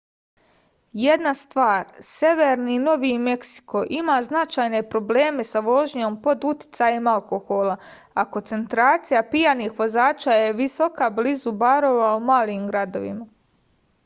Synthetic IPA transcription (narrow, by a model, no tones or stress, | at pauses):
je̞d̪nast̪ʋaːɾse̞ʋeɾnino̞ʋime̞ksi̥ko̞ʔimaznat͡ʃajne̞pɾo̞ble̞ːme̞saʋo̞ʒɲo̞mpo̞d̪ut̪i̥t̪sajemalko̞xolˠa | akont̪e̞nt̪ɾaːt̪sijapijaniːxʋo̞zaːt͡ʃaje̞ʋiso̞kablizubaɾo̞ʋaumaːliːmɡɾad̪o̞̰ʋḭma